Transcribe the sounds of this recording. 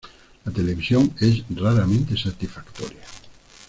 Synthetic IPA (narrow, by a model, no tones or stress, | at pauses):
lat̪eleβisjoŋesraɾamẽnt̪esat̪isfakt̪ɔ̰ɾja